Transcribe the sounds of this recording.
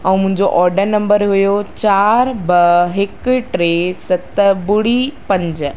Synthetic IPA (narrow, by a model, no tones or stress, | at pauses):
ɛ̃ːmʊ̃ɦɪ̃ɲd͡ʑoʔɔːɾɖənɐ̃mbəɾɦujot͡ɕaːɾbɐɦɪkʈɾesɐt̪bʊɽipɐ̃ɲd͡ʑ